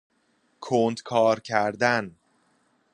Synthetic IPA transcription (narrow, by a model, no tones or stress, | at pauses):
kʰoːnd̪kʰɒːɾcʰæɾd̪æn